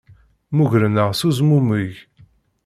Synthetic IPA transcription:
muʝɾənəʁsuzmuməʝ

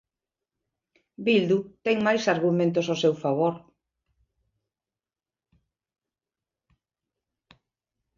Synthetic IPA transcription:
bild̪ut̪ɛŋmajsaɾɣumẽnt̪ososewfaβ̞oɾ

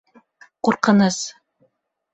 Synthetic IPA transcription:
quɾqɤ̆nɤz

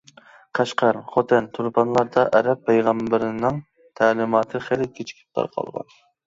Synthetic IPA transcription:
qʰɑʃqɑɾχot̪ʰɪnt̪ʰuɾpɑnlˠɑɾd̪ɑʔɛɾɛpʰːɛjʁɑmbɪɾɪnɪŋ | t̪ʰæːlɪmɑːt̪ʰɨχelɪkʲʰet͡ʃʰi̥kʲʰi̥p̚t̪ʰɑ̰ɾqʰɑ̰lˠʁɑ̰n

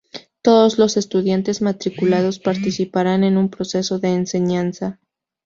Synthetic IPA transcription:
t̪o̞ðozlo̞se̞st̪uðjant̪e̞zmat̪ɾikulað̞o̞spaɾt̪isipaɾane̞numpɾo̞se̞so̞ðe̞ːnse̞ɲansa

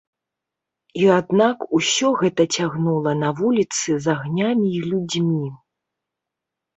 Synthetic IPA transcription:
iad̪nakusʲɔɣɛt̪ɐt͡sʲaɣnulˠɐnɐvulʲit̪sɨzaɣnʲamʲiːlʲud͡zʲmʲi

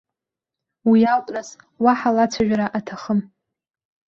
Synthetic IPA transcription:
wialtʼras | waħalat͡sʷʰaʒᶣaɾaʔatʰaχəm

